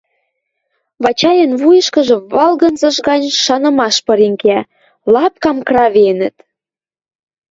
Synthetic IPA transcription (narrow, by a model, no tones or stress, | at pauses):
βɑt͡ɕɑjə̆nβujə̆ʃkə̆ʒɤ̆βɑlɣə̆nzɤ̆ʃɣɑnʲʃɑnə̆mɑʃpɤ̆ɾiŋkæ | lɑp̚kɑmkrɑβenə̆t̪